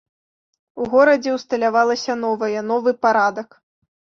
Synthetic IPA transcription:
uɣɔɾɐd͡zʲɛwst̪ɐlʲavalˠɐsʲɐn̪ɔvɐjɐnɔvɨpaɾad̪ɐk

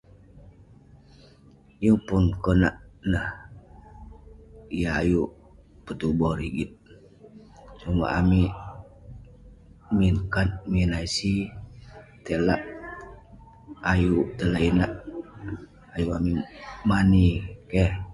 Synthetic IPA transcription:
juŋpunkonaʔnəh | ijaaju | pət̪ubɔɾiɡit̪̚ | t͡ʃuma̰ʔami | minkat̪̚minaisi | t̪elaʔ | ajut̪əlainaʔ | ajuamimanikeh

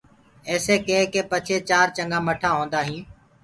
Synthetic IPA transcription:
eːseːkẽːkeːpət͡ʃʰeːt͡ʃaːɾt͡ʃəŋɡãːməʈʰaːɦõːnd̪aːɦĩː

